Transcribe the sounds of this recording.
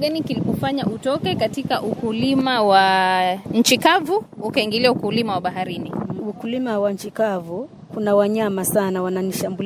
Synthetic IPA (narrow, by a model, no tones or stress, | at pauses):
ɡanikilipɔfaɲaʔutɔkɛkatikaʔukulimawaɲ̩t͡ʃikavuukaiŋɡiliaukulimawaɓaɦaɾiniukulimawaɲ̩t͡ʃikavu | kunawaɲamasanawananiʃambul